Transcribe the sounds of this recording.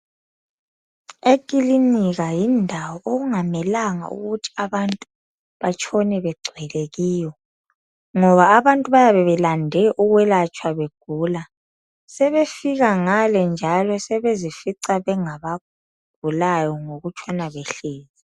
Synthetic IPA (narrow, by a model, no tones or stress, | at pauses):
ekʼiliniɣajindʱawɔʔoɣuŋamɛlaŋa̰ṵɣutʰi̥aβantʼu | βat͡ʃʼʰonɛβɛɡ͡ǀʱwɛleɣiːjɔ | ŋɔβaːβantʼuβajaβɛβɛlandʱɛʔuɣwɛlat͡ʃʼʰwaβeɡ̥ʱuːla | sɛβefiɣaŋalɛnd͡ʒʱalɔsɛβezifiǀaβɛŋaβa | ɡ̥̚ʱulajɔŋoɣut͡ʃʰʼwanaβeɬiːzi